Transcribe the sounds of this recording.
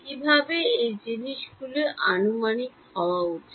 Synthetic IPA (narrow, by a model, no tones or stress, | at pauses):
kibʱabeejd͡ʑiniʃɡuleʔanumanik | hɔwaoʈʰ